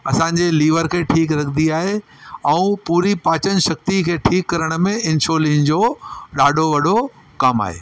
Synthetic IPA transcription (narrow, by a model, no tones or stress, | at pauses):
ɐsãːɲ̆d͡ʑeliːʋəɾkʰeːʈʰiːkɾɐk̪ʰd̪iaːɦe | ɛ̃ũpuːɾipaːt͡ɕənʃɐk̚t̪ikʰeːʈʰiːkːɐɾəɽ̃̆mẽɪ̃nʃoːlĩːnd͡ʑoɗaːɖʱoʋɐɗo | kaːma̰ːɦḛː